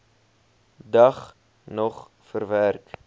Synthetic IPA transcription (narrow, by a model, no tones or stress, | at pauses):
dɐχ | nɔχ | fərværk